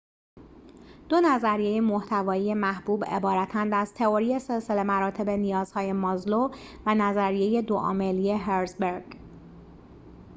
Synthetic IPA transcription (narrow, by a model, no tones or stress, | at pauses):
d̪̥o̞næzæɾijeje̞moht̪ʰævɒːije̞mæhbuːbe̞̰bɒːɾæt̪ʰænd̪æz̥t̪ʰe̞oɾije̞selsele̞mæɾɒːt̪ʰe̞be̞nijɒːz̥hɒːje̞mɒːzlovænæzæɾije̞je̞d̪oʔɒ̰ːmelie̞ɦeɾzbeɾɡ̥